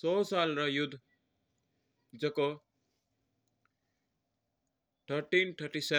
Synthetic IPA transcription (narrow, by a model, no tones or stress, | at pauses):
sosalrʌjud̪ʱ | d͡zʌko | ʈ̪ʰʌɾʈinʈ̪ʰʌɾʈise